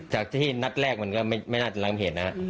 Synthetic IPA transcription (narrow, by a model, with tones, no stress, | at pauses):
t͡ɕaː˨˩k̚t̪ʰiː˥˩na˦˥t̪̚ɾɛː˥˩k̚ma˧nkɔː˥˩ma˥˩jma˥˩jnaː˥˩a˧˩mla˧ŋma˧˩ɦe˨˩˦n̚na˦˥ha˦˥ʔ